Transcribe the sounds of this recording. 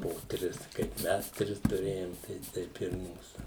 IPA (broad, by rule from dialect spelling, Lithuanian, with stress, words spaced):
poː ˈtʲrʲɪs kɐɪp ˈmʲɛs ˈtʲrʲɪs tʊˈrʲeːjoːm tɐɪ ˈtʲɛɪp ɪr ˈmuːsʊ